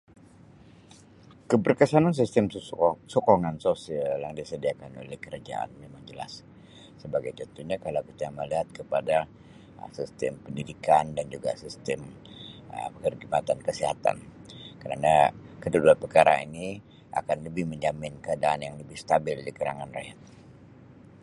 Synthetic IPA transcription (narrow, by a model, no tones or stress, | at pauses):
kəbərkəsanans̬ist̪ɛmsɔkoŋansosialljaŋdisədiakano̰lɛhkəɾad͡ʒa̰ʔa̰nmemaŋd͡ʒəla̰s | səbaɡajd͡ʒat̪uhɲakalawkit͡ʃ̪aməliɦat̪̚kəpada | sist̪ɛ̰mpəndidikandand͡ʒuɡa̰sist̪ɛməpəŋərɡimat̪ankəsiɦat̪a̰nkəɾa̰nakədudualpərkaɾa̰ḭni | ʔa̰kanləbɪhməɲd͡ʒamɪnkəadaʔanjaŋləbɪhst̪abɪldikəɾa̰ŋanra̰ja̰t̪̚